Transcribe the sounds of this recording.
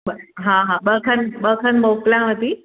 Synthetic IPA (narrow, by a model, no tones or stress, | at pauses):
əɦãɦãbəkʰənbəkʰənmokljãʋət̪iː